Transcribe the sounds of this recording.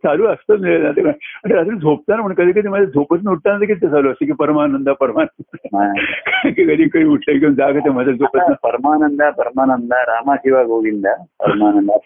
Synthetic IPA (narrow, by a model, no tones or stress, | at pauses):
t͡saluːəst̪ət̪miɭenat̪ekəəʈ̪əɾat̪əd͡zʱop̚t̪anapəɳkəd̪iːk̬əd̪iməd̪ad͡zʱopət͡snauʈ̚t̪anat̪̬əkitt̪ːet͡saluːəsek̬ipəɾmaːnənd̪apəɾmaːnənɦãkɾəŋkikəd̪iːkəd̪iːuʈʰləikid͡zaɡət̪em̤ət̪əd͡zʱopət͡snapəɾmaːnənd̪apəɾmaːnənd̪aɾaːmakiʋaɡoʋind̪a | pə̰ɾmaːnənd̪a